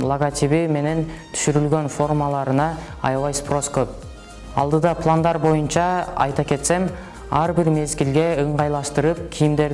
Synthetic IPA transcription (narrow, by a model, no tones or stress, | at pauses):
lˠoɡat̪ʲiβime̞ne̞nt̪ʰʏ̥ʃʏɾɪlɡʲe̞nfo̞rmɑlˠɑɾənɑ | ɑ̰jɑwɑjspro̞skʲʰɵp̚ | ɑ̰lˠd̪əd̪ɑpʰlˠand̪ɑɾbo̞jənʃɑɑ̰jt̪ɑkʲʰe̞t̪se̞m | ɑɾbɪɾme̞zɡʲɪlɡʲe̞əɴʁɑjlˠɑst̪əɾəp̚kʲʰijɪmd̪e̞ɾ